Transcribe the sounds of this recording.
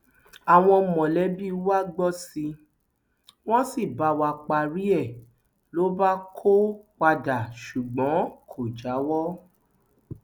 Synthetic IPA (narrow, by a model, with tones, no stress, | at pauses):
a˨w̃ɔ̃˧mɔ̃˨lɛ˨˦bi˦wa˦ɡ͡bɔ˦si˧ | w̃ɔ̃˦si˦˨ba˧˦wa˧˨k͡pa˨ɾi˦ɛ˦˨ | lo˨˦ba˦kʰo˦k͡pa˧da˨ʃu˨ɡ͡bɔ̃˨˦kʰo˨d͡ʒa˨˦wɔ˦